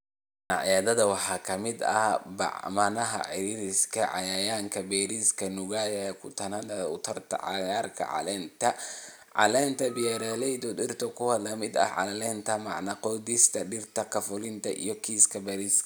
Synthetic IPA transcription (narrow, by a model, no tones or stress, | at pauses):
nɑʕjaːðɐðɐwɑħɑːkʰɐmɪd̪ɐ̰hbɑ̰ʕmɐnɐɦɐ̰ʕɪɾiːɾɪskʰɐʕɑ̰jaːjaːŋkʰɐbɛːɾiːskʰɐnʊɣajɐɛkʰʊt̪ʰɐnɐd̪ɐʊt̪ʰɐrt̪ʰɐ̰ʕɑ̰ɣaːrkʰɐ̰ʕɑ̰lɛːnt̪ʰɐ | ʕɑ̰lɛːnt̪ʰɐbɪjɛɾɛːlɛjd̪ɔd̪ɪrt̪ʰɔkʰʊhɐlɐmɪd̪ɐ̰ʕɑ̰lɐlɛːnt̪ʰɐmɑʕnɐqɔːd̪ɪst̪ʰɐɖɪrt̪ʰɐkʰɐfʊlɪnt̪ʰɐʔḭjɔkʰiːskʰɐbɛɾisk